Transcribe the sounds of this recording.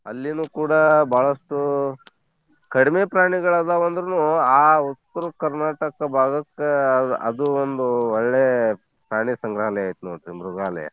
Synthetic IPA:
ɐ̰lːinuːkuːɽabʱaːɭɐʂʈu | kɐɽimepɾaːɳiɡɐɭaːd̪aʋond̪ɾɐnuaːut̪ːɐɾɐkɐɾnaːʈɐkɐbʱaːɡɐkːɐɐ̰d̪uond̪uɔɭːeː | pɾaːɳisɐŋɡɾaːlɐjaːjt̪unoːʈɾimɾuɡɾaːlɛ̰jɐ̰

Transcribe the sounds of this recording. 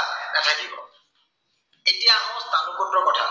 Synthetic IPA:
natʰakibɔ̰ | etiamɔst̪ʰanukoʈɾɔkɔʈʰa̰

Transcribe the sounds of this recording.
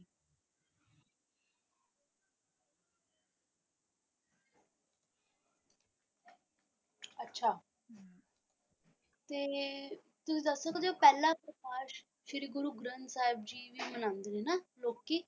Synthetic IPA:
ətːʃʰaː | t̪eː | t̪ʊsĩːd̪əsːokːd̪eoːpɛːlãːpɾəkaːʃ | ʃɪɾiɡʊɾuːɡɾənt̪saːɪb̚d͡ʒiːʋiːmənãːnd̪eniːnaːloːkːiː

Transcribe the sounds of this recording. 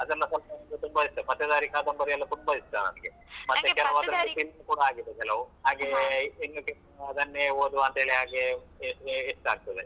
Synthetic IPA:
ɐd̪ɛlːɐsɐlpɐnɐnd̪ut̪umbɐist̪ɐpɐt̪ːjɐd̪aːɾikaːd̪ɐmbɐɾiɛlːɐt̪umbɐist̪ɐnɐ̰miɡe | mɐt̪ːekɛlɐʋaːd̪ɐɾɐlːupilukuːɽaaːɡid̪ːekɛlɐʋuɦaːɡeinːoke | ɐd̪ɐnːeoːd̪uɐnt̪ɐɦeːɭeɦaːɡeseːsʈaːɡ̚t̪ɐd̪e

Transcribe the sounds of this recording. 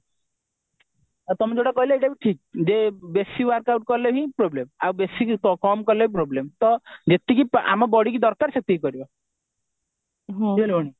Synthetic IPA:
at̪ɔmed͡ʒewʈakɔɦilaeʈabiʈʰik̚d͡ʒebesiwaɾkawʈ̚kɔɾleɦĩpɾoblemawbesikkkɔmkɔɾleɦĩpɾoblemt̪ɔd͡ʒet̪ikipa̰mabɔɽik̬id̪ɔɾkaɾsɔk̚t̪ikikɔɾibɔ | ɦioleɔɽ̃i

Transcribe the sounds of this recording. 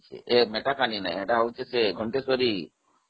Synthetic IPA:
t͡ʃʰḛʔemeʈakanina̰jeʈaɦəwt͡ʃʰeseɡʱɔɳʈesɔɾi

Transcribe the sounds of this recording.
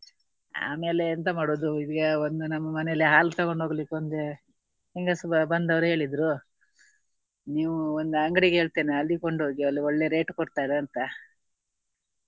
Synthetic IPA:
a̰ːme̞ːleːnt̪ɐmaːɽoːd̪uid̪iɡɐond̪unɐmːɐmɐnelːiɦaːlt̪ɐɡoɳɖɦoɡlikːond̪e | hiŋɡɐsbɐnd̪ɐʋɐɾuɦe̞ːɭid̪ɾu | niːʋuond̪uɐŋɡɐɽiɡeɦe̞ːɭt̪eːneɐlːikoɳɖuɡeɐlːioɭːe̞ɾe̞ːʈkoɽt̪aːjd̪eɐnt̪ɐ

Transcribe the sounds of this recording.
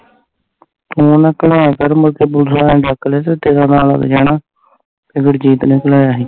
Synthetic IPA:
t̪oːnãːkəlaːjaːkəɾməɾkeːbʊd̪ʱlaːẽːɖakːleːt̪eːt̪eːɾãːnaːlə̰ɡd͡ʒaːnaː | peɡəʈd͡ʒiːt̪nẽːkəlaːjaːɦiː

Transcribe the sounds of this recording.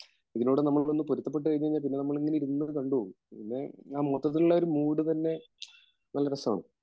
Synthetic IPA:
iðinuːɽenɐmːɐɭonːɨpoɾut̪ːɐpːe̞ʈ̬ːɨkɐjiɲːɐiɲːaːlp̬inːe̞nɐmːɐɭeŋːɐneiɾunːɐkɐɳɖuoɣu | pinːe̞aːmot̪ːɐt̪ːiluɭːɐo̞ɾumuːɽɨt̪ɐnːe̞ | nɐlːɐɾɐsɐma̰ːɳɨ̰

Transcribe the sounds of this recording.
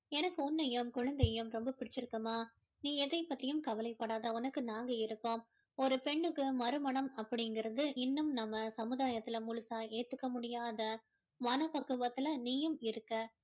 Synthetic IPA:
ɛnɐkːɯɔnːɐjɯmkʊɻɐnd̪ɐjɯmɾɔmbɐpɪɽɪt͡ʃːɪɾɯkːɐmaː | niːɛðɐɪpːɐt̪ːɪjɯmkɐʋɐlɐɪpːɐɽaːðɐʊnɐkːɯnaːŋɡɐɪɾɯkːom | ɔɾɯpɛɳːɯkːɯmɐɾɯmɐɳɐmɐpːɐɽɪŋɡɪɾɐðɯʔɪnːɯmnɐmːɐsɐmɯðaːjɐt̪ːɪlɐmʊɭʊsaːeːt̪ːɯkːɐmʊɽɪjaːðɐ | mɐnɐpɐkːɯʋɐt̪ːɯlɐniːjɯmɪɾɯkːɐ

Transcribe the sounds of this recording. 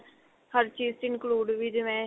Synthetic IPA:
həɾt͡ʃiːzt̪ɪɪnkluːɖʋiːd͡ʒɪʋɛ̃ː

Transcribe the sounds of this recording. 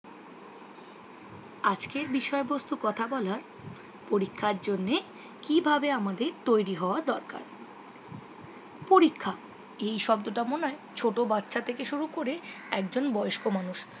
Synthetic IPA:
ad͡ʑkeɾbiʃɔebost̪ukɔt̪ʰabɔlaɾ | poɾikʰːaɾd͡ʑonːe | kibʱabeamad̪eɾt̪ojɾiɦɔoaɾd̪ɔɾka̰ɾ | poɾikʰːa | ejʃɔbd̪oʈamonaet͡ɕʰoʈobatːɕʰat̪ʰekeʃuɾukoɾe | ɛk̚d͡ʑonbɔeoʃkomanuʃ

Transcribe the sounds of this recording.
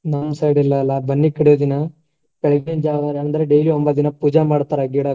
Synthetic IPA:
nɐmsɐjɽilːɐːlːɐbɐnːikɐɽijoːd̪inɐ | pɛɭɐɡind͡ʒaːɡ̪aɾaːnɐnd̪ɐɾeɖejliombɐt̪̚d̪inɐpuːd͡ʒamaːɽt̪aːɾɐɡiːɽɐ

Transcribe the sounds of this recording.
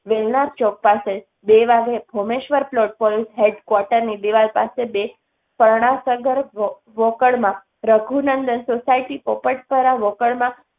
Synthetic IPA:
ʋelnaɾt͡ʃɔk̚pase | beʋaɡebʱomeʃʋəɾplɔʈ̚pɔlisɦeɖkwɔʈəɾnid̪iʋalpa̰sebe | pəɾɳ̃asəɡəɾ | ʋokəɭmã | ɾəɡʱunənd̪ənsosaiʈipopəʈpəɾaʋokəɭmã

